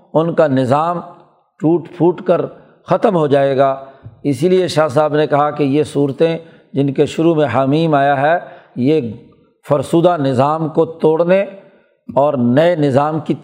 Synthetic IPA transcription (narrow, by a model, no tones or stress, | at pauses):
ʊnkanɪzaːm | ʈuːʈpʰuːʈkəɾ | xɐt̪əmɦod͡ʒaːeːɡaːɪsilieʃaːs̬aːbnekɐɦakejesuːɾt̪ẽ | d͡ʒɪnkeʃʊɾumẽɦaːmiːmaːjaɦɛje | fʊɾsuːd̪anɪzaːmkot̪oːɽne | ɔːɾnɐenɪzaːmki